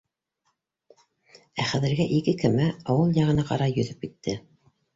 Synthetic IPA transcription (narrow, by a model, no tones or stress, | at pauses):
æχæðɘ̆ɾɡæʔikɘkɘ̆mæɑwɤlˠjɑʁɤ̆nɑqɑ̰ɾɑjɵ̆ðɵp̚kit̪ʰːɘ